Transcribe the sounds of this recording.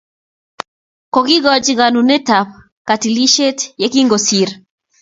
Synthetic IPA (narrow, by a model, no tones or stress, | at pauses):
kɔkiɣɔd͡ʒɣanunɛtap | katiliʃɛtjekiŋɡɔsiɾ